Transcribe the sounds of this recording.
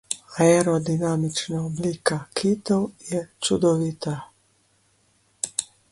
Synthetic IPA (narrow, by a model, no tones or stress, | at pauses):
aeɾɔd̪inamit͡ʃnaobliːkakʰit̪owjɛt͡ʃud̪ɔʋit̪a